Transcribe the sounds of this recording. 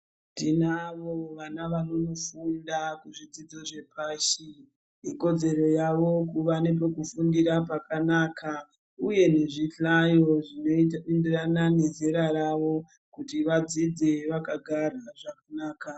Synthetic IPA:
tinaʋo̞ʋanaʋano̞no̞fundakuʐid͡zid͡zoʐe̞pʰaːʃi | iko̞d͡ze̞ɾo̞jaʋo̞kuʋanep̬o̞kufundiɾapakanaːkʰa | uje̞ne̞ʐiɬajo̞ʐinoendiranane̞zeɾaɾaʋo̞ | kutiʋad͡zid͡ze̞ʋakaɡʱaraʐakanaːka

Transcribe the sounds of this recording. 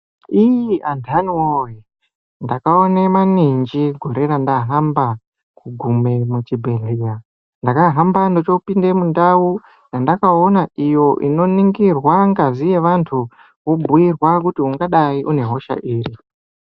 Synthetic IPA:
ijiantʰanioe | ndakaonemaniɲd͡ʒiɡʱo̞ɾe̞ɾandaɦamba | kuɡʱume̞mut͡ʃibʱeɮeja | ndakaɦambando̞t͡ʃo̞pinde̞mundawu | jandakao̞naijo̞ʔḭno̞niŋɡirwaŋɡazijeʋantʰu | ʋobuirwakutiuŋɡaɗaiʔune̞ɦo̞ʃa̰ʔiːɾi

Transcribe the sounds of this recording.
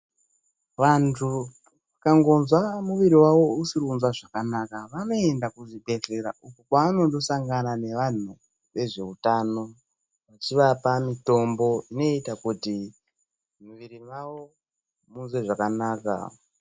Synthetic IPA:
ʋantʰu | ʋakaŋɡo̞nzwamuʋiɾiwaʋo̞usirunzwaʐakanakaʋano̞e̞ndakuʐibʱe̞ɮe̞ɾa̰ʔukokwaːno̞ndo̞saŋɡanane̞ʋan̤u | ʋe̞ʐe̞utano̞ | ʋat͡ʃiʋapamito̞mbo̞ino̞itakuti | muʋiɾimao̞ | munzweʐakanaːka̰

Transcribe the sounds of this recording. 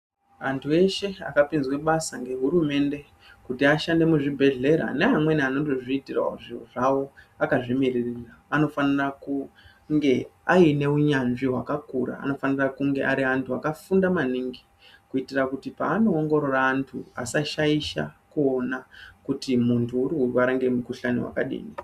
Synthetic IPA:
a̰ntʰue̞ʃe̞a̰kapinzweɓasaŋɡe̞ɦuɾume̞nde̞ | kutiaʃande̞muʐibʱe̞ɮe̞ɾa̰neɦamwe̞niano̞ndo̞ʐiitira̰o̰ʐioʐawo̞ | akaʐimiririraːno̞faniraku | ŋɡe̞aine̞uɲanʐiɦwakakuɾa̰ːno̞fanirakuŋɡe̞̰ʔaɾiantʰuakafundamaniŋɡi | kuitirakutipaːno̞ːŋɡo̞ɾo̞raːntʰṵasaʃaiʃa̰kuonakutimuntʰuːrikurwaɾaŋɡe̞mukuɬanḭwa̰ka̰ɗḭːni

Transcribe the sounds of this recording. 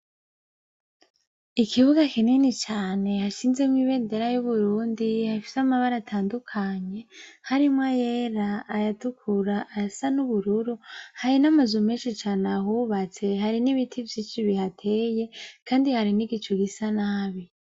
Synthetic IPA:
ikʰiβuɡakininit͡ʃaːne̞haʃiːnze̞mŋiːβe̞ːnde̞ɾajuβuɾuːndihafi̥samaβaɾatʰaːndukʰaɲe̞haɾimŋajeɾaːjatukʰuɾaʔːsanuβuɾuɾuhaɾinamazumeːnʃit͡ʃaːnehuβat͡se̞ɦaɾiniβitʰivjiːnʃiβihatʰe̞je̞kʰaːndihaɾiniɡit͡ʃoɡisanaβi

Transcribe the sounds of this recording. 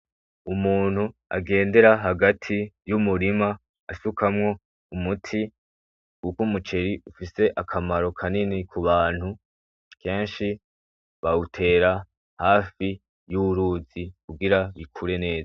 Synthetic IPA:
umuːn̥hua̰ɡe̞ːnde̞ɾaɦaɡatʰijumuɾimaː | sukʰamŋo̞ | umutʰi | kukumut͡ʃe̞ɾiufise̞ʔakʰamaɾo̞kʰaninikʰuβaːn̥hu | kʰe̞ːnʃi | βautʰe̞ːɾa | haːfi | juuɾuːzikuɡiɾaβikʰuɾe̞ne̞ːza

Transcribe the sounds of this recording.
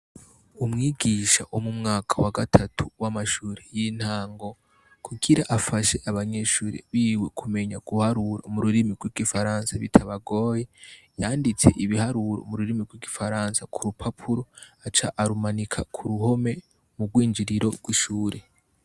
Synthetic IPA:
umŋiːɡiʃaʔomumŋaːkʰḁwaɡatʰatʰuwamaʃuːɾejin̥haːŋɡo̞ | kʰuɡiɾaʔafaʃe̞ʔaβaɲe̞ːʃuːɾḛβiwe̞kʰume̞ɲaɡ̥uhaɾuɾa̰muɾuɾimiɡwiɡifaɾaːnsaβḭtʰaβaɡo̞ːje̞ | jaːndit͡se̞̰ʔiβihaɾuɾo̰muɾuɾimiɡwiɡifaɾaːnsakʰuɾupʰapʰuɾo̞at͡ʃaʔaɾumanikʰakʰuɾuho̞me̞ | muɡwiːnd͡ʒiɾiɾo̞ɾɡwiʃuːɾe

